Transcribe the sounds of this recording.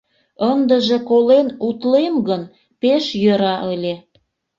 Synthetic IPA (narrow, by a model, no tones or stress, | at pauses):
ənd̪əʒekolenut̪lemɣən | peʃjøɾɑʔəlʲe